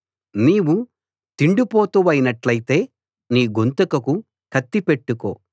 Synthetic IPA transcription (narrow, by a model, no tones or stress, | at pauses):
niːwu | t̪iɳɖupoːt̪uʋɐjinɐʈlɐjit̪e̞ː | niːɡont̪ɐkɐku | kʰɐt̪ːipeʈːuko̰ː